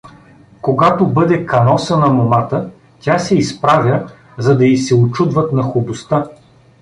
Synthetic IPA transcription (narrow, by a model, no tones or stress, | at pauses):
koɡat̪obɤd̪ɛkɐnɔsənɐmomat̪ə | tʲasɛispɾavʲə | zɐd̪ɐisɛʊt͡ʃud̪vɐt̪nɐxʊbʊst̪a